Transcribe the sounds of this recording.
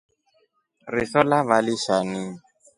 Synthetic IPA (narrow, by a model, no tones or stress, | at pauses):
rɪsɔlaβalɪʃanɪ